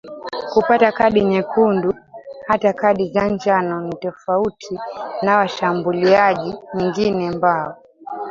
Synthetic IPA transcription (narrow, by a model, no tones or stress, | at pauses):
kupatakaɗiɲɛkʰunduhatakaɗizand͡ʒanɔnitɔfautʰinawaʃambuliaʄiwɛŋɡinɛmbaɔ